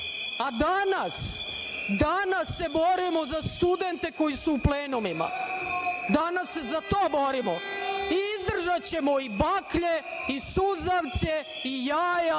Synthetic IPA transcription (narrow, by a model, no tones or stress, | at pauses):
ad̪anas | d̪anasːe̞bo̞ɾimozast̪ud̪e̞nt̪e̞ko̞jisuːpleːnumima̰ | d̪anasːe̞zat̪oːbo̞ɾimoiizd̪r̩ʒat͡ɕe̞moibakʎe̞ | isuzaʋt̪se | ijaːja